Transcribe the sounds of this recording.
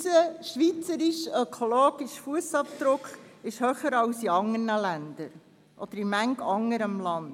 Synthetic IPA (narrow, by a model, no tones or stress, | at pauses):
səʃʋit͡səɾiʃœkʰoloːɡ̥iʃfuəsɑpd̪̥ɾʊkχɪʃhœχəɾɑwsiɑŋərnəlænd̪əɾ | ʔɔd̥̪əɾimæŋkɑŋəɾəmlɑnd